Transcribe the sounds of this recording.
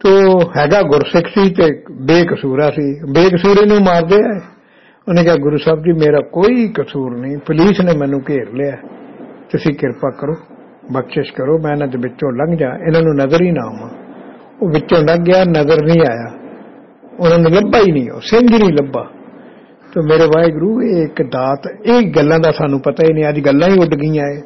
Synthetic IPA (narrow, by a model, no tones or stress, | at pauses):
t̪oːhɛːɡaːɡʊɾsɪkʰsiːt̪eːbeːkəsuːɾaːsiːbeːkəsuːɾeːnũːmaːɾd̪eːaːeː | oːnẽːkɪaːɡʊɾuːsaːbd͡ʒiːmeːɾaːkoːiːkəsuːɾnĩːpəliːsnẽːmɛ̃ːnũːkeːɾleaːt̪ʊsĩːkɪɾpaːkəɾoː | bəkʃɪʃkəɾoːmɛ̃ːɪnãːd̪eːbɪt͡ʃːõːləɡd͡ʒã̰ːʔɪnãːnũːnəzəɾiːnãːomãː | oːbɪtːõːləɡɪjaːnəzəɾnĩːaːjaː | ʊnãːnũːləbaːiːnĩːo̰ːsɪŋd͡ʒnĩːləbaː | t̪oːmeːɾeːʋaːeːɡʊɾuːeːɪkd̪aːt̪eːɡəlːãːd̪aːsaːnũːpət̪aːiːnĩːəd͡ʒɡəlːãːiːʊɖɡĩːaːeː